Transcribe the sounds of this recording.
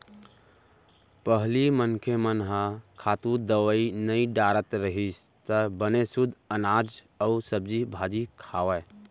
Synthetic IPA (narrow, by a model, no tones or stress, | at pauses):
pəɦlimənkʰemənɦə̃kʰat̪ud̪əʋəinəiɖaɾət̪ɾəɦis | t̪əbənesud̪ʱənad͡ʒ | əusəb̚d͡ʒibʱad͡ʒikʰaʋə